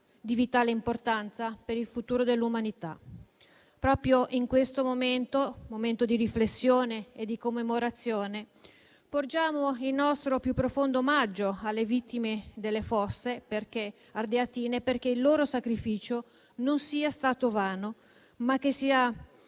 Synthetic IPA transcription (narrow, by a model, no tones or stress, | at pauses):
d̪ivit̪aːleimport̪ant̪sapeɾilfut̪uːɾod̪elːumanit̪a̰ | pɾɔːpɾjoʔiŋkwest̪omoment̪omoment̪od̪iɾiflesːjoːneːd̪ikomːemoɾat̪sːjoːne | pord͡ʒaːmoilnɔst̪ɾopjupːɾofond̪omad͡ʒːoalːevit̪ːimed̪elːefɔsːeperk̟e | ard̪eat̪iːneperk̟eilːoːɾosakɾifiːt͡ʃo | nonsiːast̪aːt̪ovaːno | mak̟ːesiːa